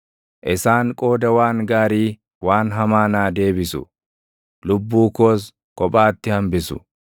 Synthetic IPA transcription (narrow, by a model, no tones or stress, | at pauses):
ʔɪsaːŋkʼo̞ːd̪ɐwaːŋɡaːɾiː | waːnɦɐmaːnaːd̪e̞ːbɪsʊ̰ | lʊbːuːkoːs̬ | kʼɔpʼaːt̪ːɪhɐmbɪsʊ̰